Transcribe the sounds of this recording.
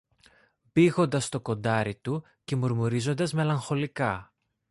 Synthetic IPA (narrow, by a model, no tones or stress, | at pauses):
biɣo̞nd̪ɐst̪o̞ko̞nd̪ɐɾit̪u | ce̞muɾmuɾizo̞nd̪ɐzme̞lɐŋxo̞likɐ